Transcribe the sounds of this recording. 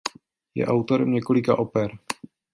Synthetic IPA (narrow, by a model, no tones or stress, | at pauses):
jɛ̰ʔawt̪o̞ɾɛmɲɛko̞lɪkaʔopɛɾ